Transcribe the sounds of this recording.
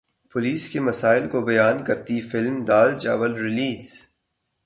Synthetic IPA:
pʊliːskemɐsaːɪlkobɐjaːnkɐɾt̪ifɪlmd̪aːld͡ʒaːʋəlɾɪliːz

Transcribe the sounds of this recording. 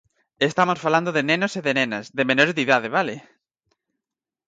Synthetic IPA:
est̪amosfaland̪oðenenoseðenenɐsðemenoɾzðiðaðeβale

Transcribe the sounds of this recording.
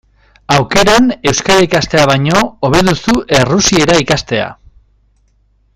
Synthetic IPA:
awke̞ɾane̞wskaɾaikast̪e̞aβaɲo̞oβ̞e̞ðusuʔe̞rusie̞ɾaikast̪e̞a̰

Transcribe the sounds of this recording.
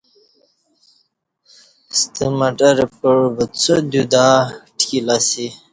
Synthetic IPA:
st̪əmɐʈɐɾpəɻbət͡sʰod̪ud̪aʈʰilasi

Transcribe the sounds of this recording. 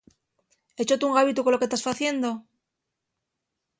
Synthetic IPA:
e̞t͡ʃot̪uŋɣaβit̪uko̞loke̞st̪asfaθje̞nd̪o̞

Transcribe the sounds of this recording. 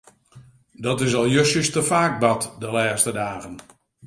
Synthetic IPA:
dɔtɪs̬ɔlˠjøsəstəfaːk̚bɑtdəlɛːstədaːɣən

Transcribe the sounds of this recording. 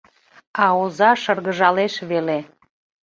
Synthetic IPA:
ɑozɑʃərɣəʒɑleʃβele

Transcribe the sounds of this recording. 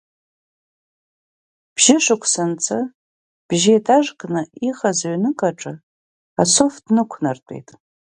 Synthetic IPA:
b̥ʒɪʂɨkʷʰsɨnt͡sʰɨ | b̥ʒietʰaʐkʼnɨiχazaɥnɨkʼaʈ͡ʂʼɨ | asofdnɨkʷʰnartʷʼe̞̰jtʼ

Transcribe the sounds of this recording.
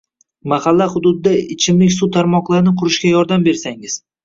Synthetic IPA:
mahalːaχʊd̪ʊd̪ɪd̪aɪt͡ʃʰɪmlɪkʲsʊt̪ʰaɾmɒqlˠaɾɪnɪqʰʊɾɪʃkʲajɒɾd̪ambe̞ɾsaŋɪz̥

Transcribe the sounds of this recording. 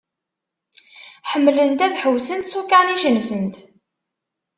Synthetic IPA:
ħəmːlənt̪æðħəwsənt̪sukaniʒənsənt̪

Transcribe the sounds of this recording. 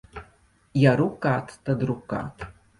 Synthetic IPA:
jaɾukat̪ʰːad̪ruka̰tʰʼ

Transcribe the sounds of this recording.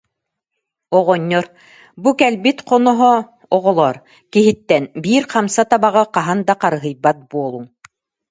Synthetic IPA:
ɔʁɔɲːɔɾ | bukɛlbit̪qɔnɔɦɔ | ɔʁɔlˠɔɾ | kiɦit̪ːɛnbiːɾqamsat̪abaʁɯqɑɦand̪aqɑɾɯɦɯjbat̪̚buɔlˠuŋ

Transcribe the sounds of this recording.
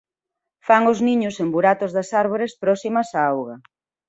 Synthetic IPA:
faŋʊzniɲʊsembuɾat̪ʊzðɐsaɾβ̞oɾespɾɔsimɐsaawɣɐ

